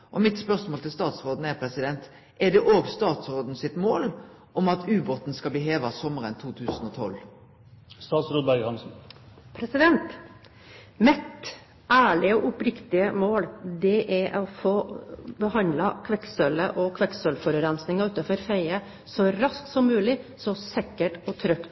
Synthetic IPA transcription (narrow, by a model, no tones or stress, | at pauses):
ʔɔmɪt̪spœʁsmoːlt̪ʰɪlst̪ɑːt̪sɾoːd̪n̩ɛɾpʰɾɛsɪd̪ɛnt̪ | ʔɛd̪ɛʔoːɡst̪ɑːt̪sɾoːd̪n̩sɪt̪moːl | ɔmɑt̪ʰʉːbɔt̪n̩skɑlbliːɦeːʋɑsɔmːəɾənt̪ʰuːt̪ʰʉːsənɔt̪ʰɔl | st̪ɑːt̪sɾoːd̪̚bæɡhɑnsn̩pʰɾɛsɪd̪ɛnt̪ | mɛt̪ | ʔæːɭɪəɔʔʊpɾɪkt̪ɪəmoːld̪ɛʔæɔfoːbəhɑnd̪lɑkʰʋɛksœləʔɔkʰʋɛksœlfɔɾʉɾɛnsnɪŋɑʉːt̪ɑfɔɾfæɪə | sɔɾɑsk̪̚sɔmːʉːlɪsɔsɛkːəʈɔt̪ʰɾœkt̪